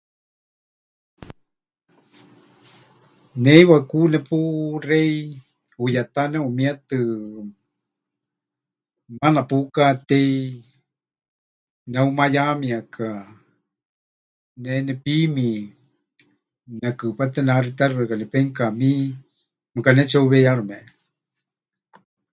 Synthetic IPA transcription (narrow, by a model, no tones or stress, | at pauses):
neiβakunɛpurei | ujat̪aneumĩat̪ɨ | manapukat̪ei | naumajamiaka | nɛnɛpimi | nakɨpat̪ɛnarit̪arɨakanɛpɛŋkami | mɨkanɛt͡ʃauβɛjaɺɨmɛʔ